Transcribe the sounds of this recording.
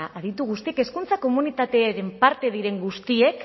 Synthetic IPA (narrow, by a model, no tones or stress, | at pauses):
aʔaðit̪uɣ̞ust̪ieke̞skunt͡sako̞munit̪at̪e̞aɾe̞mpaɾt̪e̞ðiɾe̞ŋɡust̪ie̞k